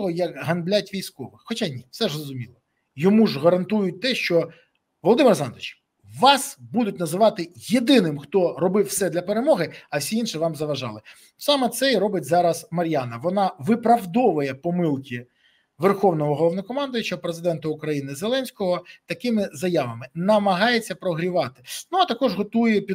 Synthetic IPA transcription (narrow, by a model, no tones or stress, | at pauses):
ɦɔjɐkɦɐnblʲatʲʋʲijsʲkɔʋɪxxɔt͡ʃanʲifsɛʐrɔzʊmʲilˠɔ | jɔmuʒɦɐɾɐnt̪ujʊt̚ʲt̪ɛʃt͡ʃɔ | ʋɔlˠɔd̪ɪmɪɾɐzɑ̰nd̪ʋɪt͡ʃ | ʋɑsbud̪ʊtʲnɐzɪʋɑt̪ɪjed̪ɪnɪmxt̪ɔɾɔbɪfsɛd̪lʲɐpeɾemɔɦɪɐwsʲiinʃɪʋɑmzɐʋɐʒɑ̰lˠɪ | sɑmɛt̪sɛiɾɔbɪtʲzɑɾɐsmɐɾʲjanɐʋɔnɑʋɪpɾɐʋd̪ɔʋʊjɛpɔmɪlˠkʲi | ʋerxɔwnɔɦɔɦɔlˠɔʋnɔkɔmɑnd̪ɔjʊt͡ʃɐpɾezɪd̪ɛnt̪ɐʊkɾɐjinɪzelˠɛnʲsʲkɔɦɔt̪ɐkɪmɪzɐjaʋɐmɪnɐmɐɦɑjet͡sʲːɐpɾɔɦɾʲiʋɑt̪ɪ̥nuɐt̪ɐkɔʐɦɔt̪ujɛpʲ